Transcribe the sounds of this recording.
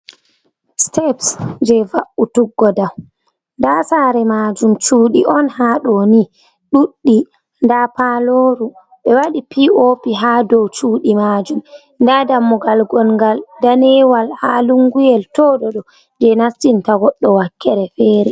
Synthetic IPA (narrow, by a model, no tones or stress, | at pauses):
stɛpsd͡ʒɛvaʔutuɡːɔdaw | ndasaːɾɛmaːd͡ʒumt͡ʃuːɗiʔɔnhaɗɔni | ɗuɗːi | ndapaloːɾu | ɓɛwaɗipiopiɦaːdɔwt͡ʃuːɗimaːd͡ʒum | ndadamːɔɡalɡɔnŋɡaldanɛwalhaluŋɡujɛltɔɗɔɗɔ | d͡ʒɛnastintaɡɔɗːɔwakːɛɾɛfɛːɾɛ